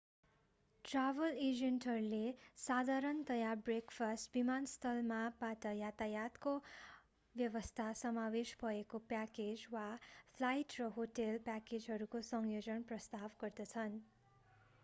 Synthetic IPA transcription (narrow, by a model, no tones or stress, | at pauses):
ʈrabʌled͡zenʈɦʌɾulesad̪ʱaɾʌnt̪ʌjabrekpʰʌsʈbimanst̪ʰʌlmabaʈʌjat̪ajat̪ko | bjʌβʌst̪ʰasʌmaweʃbʱʌekopjaked͡zwapʰlajʈrʌɦoʈelpaked͡zɦʌɾukosʌŋjod͡zʌnprʌst̪abɡʌrd̪ʌt͡sʰʌn